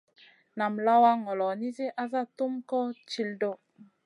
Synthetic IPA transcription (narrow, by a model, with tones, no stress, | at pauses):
na˨mla˦wa˦ŋɔ˨lɔ˨ni˦ze˦ʔa˦za˦t̪u˦mkɔ˦t͡ʃi˦ldo˦˨